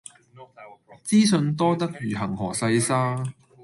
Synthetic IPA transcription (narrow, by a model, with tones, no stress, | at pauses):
t͡siː˥sɵ˧nt̪ɔː˥t̪ɐ˥k̚jyː˨˩ɦɐ˨˩ŋɦɔː˨˩sɐ˧jsaː˥